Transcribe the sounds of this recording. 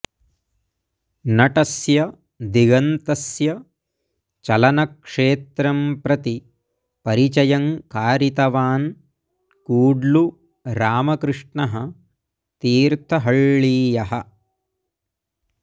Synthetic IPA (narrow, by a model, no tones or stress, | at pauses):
nɐʈɐsjɐ | d̪iɡɐnt̪ɐsjɐ | t͡ʃɐlɐnɐkʂeːt̪ɾɐmpɾɐt̪i | pɐɾit͡ʃɐjɐŋkaːɾit̪ɐʋaːn | kuːɖlu | ɾaːmɐkɾɨʂɳɐɦɐ̆ | t̪iːɾt̪ʰɐɦɐɭːiːjɐɦɐ